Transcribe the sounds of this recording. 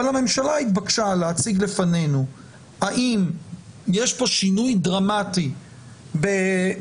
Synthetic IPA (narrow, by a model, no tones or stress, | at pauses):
olame̞mʃalait̪bakʃaleat͡siɡle̞fane̞nu | aʔimjeʃpo̞ʃinujdʁamat̪i | be